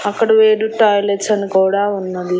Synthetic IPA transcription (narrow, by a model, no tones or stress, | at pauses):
ɐkːɐɽɐʋeːɾuʈaːjleʈsɐnikuːɽaːunːɐd̪i